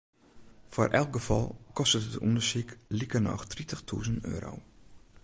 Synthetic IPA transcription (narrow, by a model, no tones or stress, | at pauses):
fo̰rʔɛ̰lˠk̚ɡəfɔ̰lˠkɔstətətṵndəɹsiklikərnɔ̰xtritəxtʰṵːzəntø̰ːɾo̰w